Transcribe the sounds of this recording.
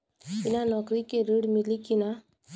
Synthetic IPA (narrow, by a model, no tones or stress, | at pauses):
inanʌkɾikeɾiɽmilikina